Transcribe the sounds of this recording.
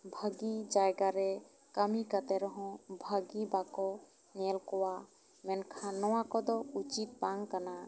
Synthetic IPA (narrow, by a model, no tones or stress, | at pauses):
bʱəɡid͡ʒajɡaɾɛ | kəmikat̪ɛɾɔɦɔ̃bʱəɡibakɔ | nɛlkɔwa | mɛnkʰanɔwakɔd̪ɔut͡ʃit̪̚baŋkana